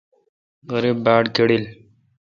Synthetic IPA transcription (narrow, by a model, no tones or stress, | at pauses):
əɾibaːɽkeɽil